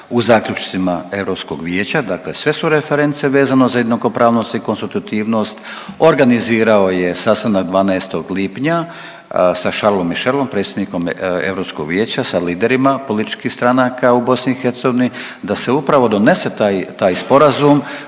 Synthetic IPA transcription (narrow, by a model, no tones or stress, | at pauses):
uzaːkʎʲut͡ʃt̪simae̞ʋɾo̞psko̞ɡʋjeːt͡ɕad̪akle̞sʋe̞suɾefe̞ɾe̞nt̪seʋe̞ːzanozajed̪noko̞pɾaːʋnost̪iko̞nst̪it̪ut̪iːʋno̞st̪o̞ɾɡaniziːɾao̞je̞saːst̪anakd̪ʋaːnaest̪o̞ɡliːpɲa | saʃaɾlo̞mːiʃe̞lˠo̞mpɾet̪sjed̪niko̞me̞̰ʋɾopskoɡʋjeːt͡ɕasaliːd̪e̞ɾimapo̞lit̪i̥t͡ʃkixst̪ɾanakaubo̞sniːxeɾt̪seɡoʋini | d̪ase̞upɾaʋo̞d̪o̞ne̞se̞t̪aːjt̪aːjspo̞ɾazum